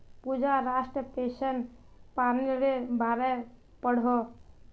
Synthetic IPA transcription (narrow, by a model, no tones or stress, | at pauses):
pud͡ʒaɾaʃʈɾət̪eʃən | paniɾebʱaːɾe | pəɽ̤o